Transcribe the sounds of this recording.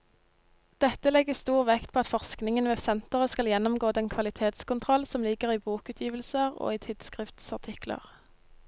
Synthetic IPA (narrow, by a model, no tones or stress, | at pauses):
d̪̥ɛt̪əlɛɡəst̪uːʁʋɛkt̪̚pʰoːɑt̪fɔʁsknɪŋənʋeːsɛnt̪əʁəskɑljɛnːɔmɡoːd̪ɛnkʰʋɑlɪt̪ʰeːt̪skʊnt̪ʰʁɔlsɔmlɪɡəʁiːbuːkʉːt̪ʰjiːʋəlsəʁo̰ːiːt̪ʰɪd̪̥skʁɪft̪sɑʁt̪ʰɪklə̰ʁ